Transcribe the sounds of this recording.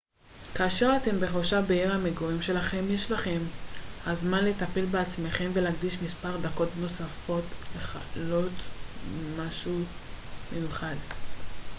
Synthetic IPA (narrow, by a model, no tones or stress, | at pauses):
kaːʃe̞ʁate̞mbe̞χoʃabeiʁhameɡoʁimʃe̞laχe̞mjeʃlaχe̞mhazmanletapelbeat͡sme̞χe̞mve̞laɡdiʃmispaʁd̪ako̞tno̞safo̞tleχalo̞t | maʃumejuχad